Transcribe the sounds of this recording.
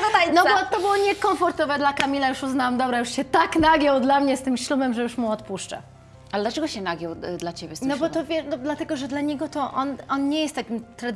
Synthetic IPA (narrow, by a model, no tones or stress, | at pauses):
d̪ɔd̪ajnɔbɔt̪ɔbɨwɔɲɛkɔmfɔɾt̪ɔvɛd̪lakamʲilajuʂuznawamd̪ɔbɾajuʂɕɛt̪aknaɡjɔwd̪lamɲɛst̪ɘmɕlubɛmʐɛjuʂmuɔt̪puʂt͡ʂɛ̰ | alɛd̪lat͡ʂɛɡɔɕɛnaɡʲjɔwd̪lat͡ɕebʲjɛsnɔbɔt̪ɔvʲjɛnɔd̪lat̪ɛɡɔʐɛd̪laɲɛɡɔt̪ɔʔɔnɔnɲɛjɛst̪ːakʲimt̪ɾa